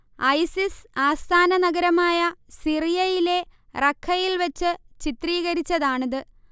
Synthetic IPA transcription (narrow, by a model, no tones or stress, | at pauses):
ɐjsisaːst̪ʰaːnɐnɐɣɐɾɐmaːjɐsirijɐjile̞ | rɐkʰːɐjilʋɐt͡ɕːɨt͡ɕit̪riːɣɐɾit͡ɕːɐðaːɳɐðɨ